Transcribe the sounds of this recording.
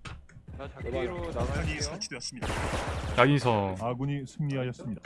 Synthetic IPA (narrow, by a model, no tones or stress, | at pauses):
aɲisʰat͡ɕʰideʌs͈ɯmɲidajaɡisʰʌaɡuɲisʰɯŋɲiɦaɕʌs͈ɯmɲida